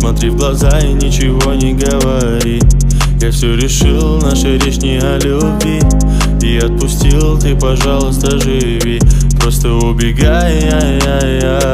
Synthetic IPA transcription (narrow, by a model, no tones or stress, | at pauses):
smɐt̪ɾʲivɡlˠɐzaɪnʲɪt͡ɕɪvo̞nʲɪɡəvɐ | ɾʲi | jafsʲɵɾʲɪʂɨlˠnaʂɨɾʲɪʂnʲɪɐlʲu | bʲɪj | iɐt̪̚pʊsʲtʲilˠt̪ʲɨpɐʐalˠəst̪əʐɨ | vʲi | pɾo̞st̪əʊbʲɪɡaj | a | a | a